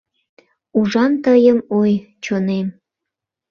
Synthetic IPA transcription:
uʒɑnt̪əjəmoj | t͡ɕonem

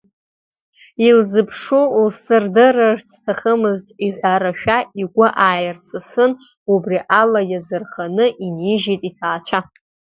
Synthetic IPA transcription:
ilzɨpʰʂulsɨrdɨrɨrt͡sʰtʰaχəmɨztʼiħʷaɾaʃᶣaiɡʷaʔaːjɪrt͡sʼɨsɨn | ubriʔalajazɨrχanɨʔiniʒijtʼitʰaːt͡ʃʷʰa

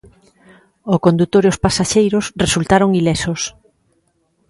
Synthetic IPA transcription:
okond̪ut̪oɾiospasaʃejɾosresult̪aɾoŋilɛsos

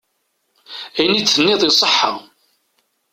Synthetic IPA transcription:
ænit͡sːənːɪðˤisˤəħːa̰

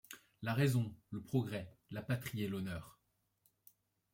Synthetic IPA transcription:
laʁezɔ̃ləpχɔɡʁɛlapat̪χiɛlɔnœːʁ

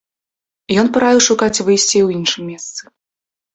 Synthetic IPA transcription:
jɔnpɨɾavʲiwʂukat͡sʲvɨjsʲt͡sʲiwjinʂɨmʲːɛst̪sɨ̥

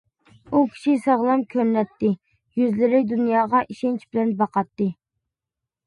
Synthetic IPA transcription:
ukʲʰi̥ʃisɑʁlˠɑmkʲʰømlɛt̪ːɪ | jyzlɪɾɪd̪unjɑːʁɑʔiʃɛnt͡ʃbɪlɛnbɑqɑt̪ːɨ

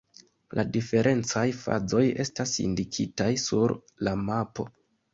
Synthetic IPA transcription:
lʔadife̞ɾʔe̞nt͡sajfa̰zo̞je̞stasḭndikʰḭtajsuɾ | lamapo̞̰

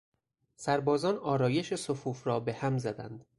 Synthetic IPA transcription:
sæɾbɒːzɒːnɒːɾɒːje̞ʃe̞sofuːfɾɒːbe̞hæmzæd̪æ̰nd̪̥

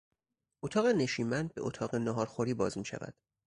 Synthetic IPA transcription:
ʔot̪ʰɒːɣene̞ʃiːmænd̪̚be̞ʔot̪ʰɒːɣenɒɦɒːɾxoɾiːbɒːzmiːʃæ̰væ̰d̪̥

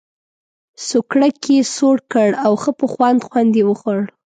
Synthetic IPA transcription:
sokɽakʰesoɽkəɽawxəpəxwand̪xwand̪jewəxəɽ

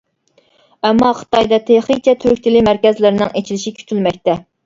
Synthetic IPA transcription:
ɛmːɑχə̥t̪ʰɑjd̪ɑt̪ʰeχit͡ʃʰɛt̪ʰyɾk̚ʲt͡ʃ̪ʰilɪmæɾkʲɛzlɪɾnɪŋet͡ʃʰilɪʃikʲʰy̥t̪ʰylmɛk̚ʲt̪ɛ

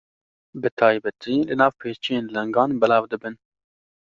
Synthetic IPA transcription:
bɨt̪ʰɑːjbɛt̪ʰiːlɨnɑːvpʰeːt͡ʃʰijeːnlɛŋɡɑːnbɛlɑːvd̪ɨbɨn

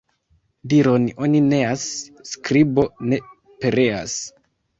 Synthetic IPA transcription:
diɾo̞no̞nine̞asskɾibo̞ne̞ | pe̞ɾe̞a̰s

